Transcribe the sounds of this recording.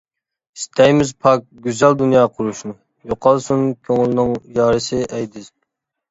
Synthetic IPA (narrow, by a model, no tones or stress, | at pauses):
st̪ʰɛjmɪzpʰɑk̚ɡʲyzɛld̪unjɑːqʰʊɾuʃnɨ | joqʰɑlˠsunkʲʰøŋylnɪŋjɑːɾɨsɨʔɛjd̪ɪz